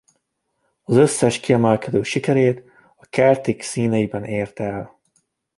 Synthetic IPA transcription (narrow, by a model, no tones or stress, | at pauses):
ɒzøsːɛʃkiɛmɛlkɛd̪øːʃikɛɾeːt̪ | ɒkɛrt̪iksiːnɛjibɛneːrt̪ɛl